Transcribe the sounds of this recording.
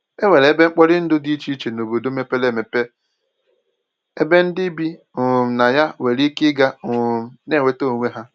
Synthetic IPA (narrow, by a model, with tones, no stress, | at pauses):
e˦we˨le˨˦be˦ŋ͡m̩˦k͡pɔ˦ɾɪ˦n̩˦dʊ˦di˦i˦t͡ʃi˦t͡ʃe˨no˨bo˨do˦me˦pe˦le˦˨me˨pe˦ | e˦be˦n̩˦dɪ˦bi˦˨ | m̩˨na˨ja˦we˨ɾi˦kɪ˦ɡa˦˨m̩˨ne˦˨we˨to˦˨ŋʷe˦ɦa˦